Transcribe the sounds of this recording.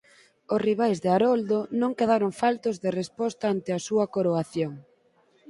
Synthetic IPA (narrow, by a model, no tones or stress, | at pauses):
osriβ̞ajzðeaɾɔld̪onõŋkeðaɾoŋfalt̪ozðerespɔst̪aant̪eɐsuɐkoɾoaθjoŋ